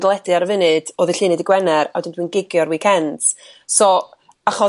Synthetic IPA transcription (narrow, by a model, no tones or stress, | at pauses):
dəlˠɛdɨaɾəvɪnɨd̥oːðiɬiːnɨdiɡwɛnɛɾa̰wdɪndwiːnɡɪɡjɔɾwiːkʰɛnd | so | aχɔ